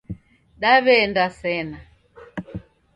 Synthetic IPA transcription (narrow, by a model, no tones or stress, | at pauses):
ɗaβɛndasɛna